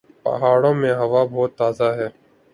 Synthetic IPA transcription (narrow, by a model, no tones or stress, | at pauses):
pə̰ɦaːɽõːmẽːɦəʋaːbɔːt̪ːaːzaːɦɛː